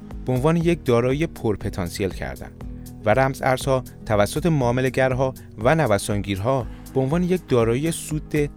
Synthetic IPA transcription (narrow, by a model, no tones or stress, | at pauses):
b̥eonvɒːnejecd̪ɒːɾɒːijepʰoɾpʰe̞t̪ʰɒːnsielcʰæ̰ɾd̪æ̰nd̪ | væɾæmzæ̰ɾz̥hɒː | t̪ʰævæsːot̪ʰe̞mɒːmeleɟæɾɦɒː | vænævæsɒŋɟiːɾɦɒːb̥eonvɒːnejec̚d̪ɒːɾɒːjijesuːd̪ːe